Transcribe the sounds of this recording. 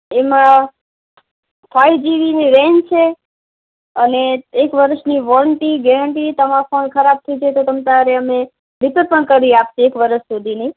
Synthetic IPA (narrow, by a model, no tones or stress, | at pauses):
emã | fʰajd͡ʒiʋiniɾend͡ʒt͡ʃʰe | əneːkʋəɾəʃniʋɔɾəɳʈiɡɛɾəɳʈit̪əmãfonkʰəɾab̚t̪ʰəjt͡ʃʰet̪ot̪əmt̪aaɾeəme | ʋipəɾpəɳkəɾiap̚t͡ʃʰeekʋəɾəʃsud̪ʱini